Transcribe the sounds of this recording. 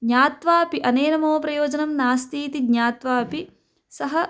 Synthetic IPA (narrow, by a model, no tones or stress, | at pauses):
ɡɲaːt̪ʋaːpiʔɐneːnɐmoːpɾɐjoːd͡ʒɐnɐmnaːst̪iːt̪iɡɲaːt̪ʋaːpi | sɐɦɐ